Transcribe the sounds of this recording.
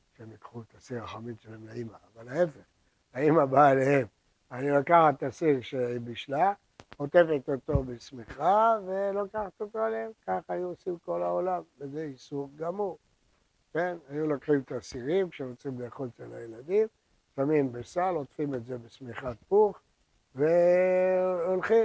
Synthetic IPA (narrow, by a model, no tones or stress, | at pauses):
ʃemikχut̪asiʁaχamimʃelemlaimaːvalae̞feχ | aimabaːlehe̞m | ajilokaχat̪ːasiʁʃeibiʃla | ot̪e̞fet̪ot̪o̞besmiχavelokaχat̪ot̪o̞aleemkaχajuosimko̞laolamvezeisuʁɡamuʁ | ke̞najulokχimt̪asiʁimkʃeʁot͡simleːχolt͡selajelad̪im | samimbesalo̞tfime̞tze̞besmiχat̪̚puχ | ve | olχi